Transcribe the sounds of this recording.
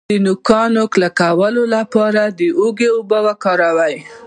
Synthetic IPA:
d̪ənʊkɑnoklakawəlolapɑɾad̪əoɡeʊbəwakɑɾawaj

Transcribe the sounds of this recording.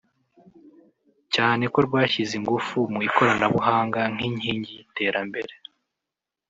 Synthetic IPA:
caːne̞ko̞ɾɡwaːʃiziŋɡufumuiko̞ɾanaβuɦaːŋɡaŋ̥iɲiːɲɟite̞ːɾambe̞ɾe

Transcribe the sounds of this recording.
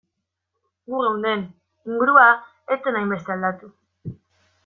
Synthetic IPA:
ɡuɣewnd̪e̞n | iŋɡuɾua | et͡s̪enajmbe̞st̪e̞ald̪at̪u

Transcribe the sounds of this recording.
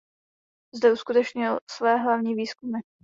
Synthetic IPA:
zd̪ɛuskut̪ɛt͡ʃɲɪlsvɛːɦlavɲiːviːskumɪ

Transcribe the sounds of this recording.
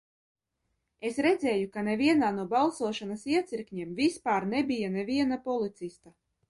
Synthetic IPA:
esɾed̪zɛːjukaneviɛnaːnuɔbalˠsuɔʃanasiɛt̪siɾkɲɛmvispaːɾnebʲijanɛvʲiɛnapɔlˠit̪sist̪a

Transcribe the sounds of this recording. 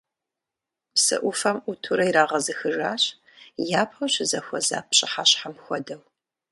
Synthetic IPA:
psɨ̰ʔʷʊfɐmʔutʰuɾɐjiɾaːʁɐzɨxɨʐaːɕ | jaːpʰɐɕɪzɐxʷɔza̰ːpɕʼɪħaɕħamxʷɔdɐw

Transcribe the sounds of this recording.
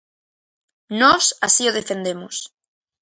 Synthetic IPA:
nosasioð̞efend̪e̞mos

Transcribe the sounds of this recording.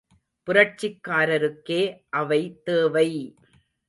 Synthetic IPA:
pʊrɐʈ̚t͡ʃːɪkːaːɾɐɾɯkːeːʔɐʋɐɪt̪eːʋɐɪ

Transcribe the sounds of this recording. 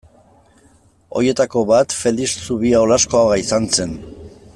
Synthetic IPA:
o̞̰jie̞t̪ako̞βat̪fe̞lissuβiaolasko̞aɣaisanse̞n

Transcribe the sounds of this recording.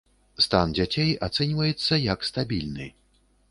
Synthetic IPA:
st̪and͡zʲat͡sʲejat̪sɛnʲvɐjɛt̪sːɐjɐkst̪abʲilʲnɨ̰

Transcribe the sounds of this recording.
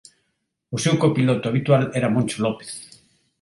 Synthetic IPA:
ʊsewkopilɔt̪ʊaβ̞it̪walɛɾamõnt͡ʃolɔpe̥θ

